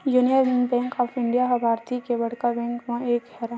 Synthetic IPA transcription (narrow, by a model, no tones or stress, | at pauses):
junijəɾbɪ̃ŋbɛ̃ːŋkɔːpʰɪ̃ɳɖijaɦɔbʱaːɾt̪ikebɐɽkabɛ̃ːŋkmẽeːkhɛːɾa